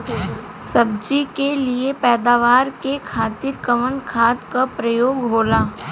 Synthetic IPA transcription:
sɐb̚d͡ʒikeliepɛːd̪aːʋaːɾkekʰaːt̪iɾkəʋənkʰaːt̪kapɾəjoːɡɦoːlaː

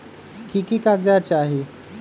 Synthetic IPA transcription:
kʰikikaɡ̚d͡ʑat͡ɕaɦi

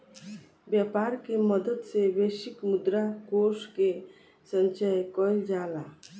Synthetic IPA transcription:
bjapaɾkeməd̪ət̪sebeʃikmud̪ɾakoske | sənt͡ʃajkɔild͡ʒala

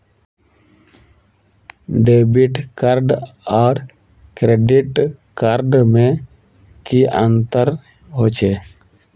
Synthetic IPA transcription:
ɖeːbiʈkaɾɖɔːɾ | kɾeːɖiʈkaɾɖmẽ | kiə̃nt̪əɾ | ɦoːt͡ʃʰeː

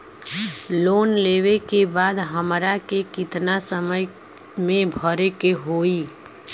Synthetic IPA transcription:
loːnleʋekebaːd̪ɦəmɾakekɪt̪nasəməj | mẽbʱəɾekeɦoi

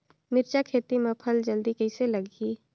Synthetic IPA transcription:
mɪɾt͡ʃakʰeːt̪imẽpʰəld͡ʒəld̪ikəɪseləɡiː

